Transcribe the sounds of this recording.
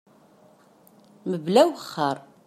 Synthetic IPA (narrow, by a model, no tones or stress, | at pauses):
məblæwəχːəɾˤ